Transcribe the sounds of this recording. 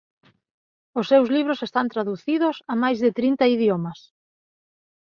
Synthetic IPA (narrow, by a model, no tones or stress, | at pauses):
ʊsːewzliβ̞ɾʊsest̪ant̪ɾaðuθiðʊsɐmajzðɪt̪ɾint̪ɐiðjomɐs